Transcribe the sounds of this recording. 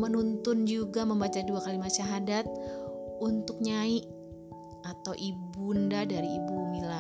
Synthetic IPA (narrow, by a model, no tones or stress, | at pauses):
mənunt̪ʊnd͡ʒuɡaməmbat͡ʃaduakalimat̪ʃaɦadat̪̚unt̪ʊk̚ɲaiʔ | at̪awʔibundadaɾiibumila